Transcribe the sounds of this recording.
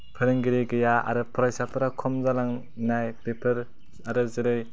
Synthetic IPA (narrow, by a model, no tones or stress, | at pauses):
pʰɯɾɯŋɡiɾeɡɯjaa̰ɾɯpʰɯɾajsapʰɯɾakʰɔmzalaŋ | najpepʰɯɾ | aɾɯzɯɾɯj